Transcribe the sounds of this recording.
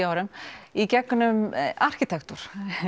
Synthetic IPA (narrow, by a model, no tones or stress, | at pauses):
aːwɾʏmicɛkːʏnʏmar̥cit̪ʰɛkt̪uɾ̥